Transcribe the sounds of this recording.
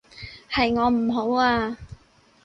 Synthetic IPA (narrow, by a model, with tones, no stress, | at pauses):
hɐ˨jŋɔː˨˧m̩˨˩ɦo˨˥waː˧